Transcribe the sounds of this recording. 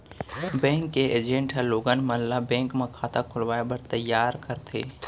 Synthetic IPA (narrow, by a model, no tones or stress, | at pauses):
bɛ̃ːŋkːeeːd͡ʒẽɳʈɦɛloːɡənmənlabɛ̃ːŋkmekʰaːt̪akʰʊlʋaːebəɾt̪əjːaːɾkəɾt̪ʰeː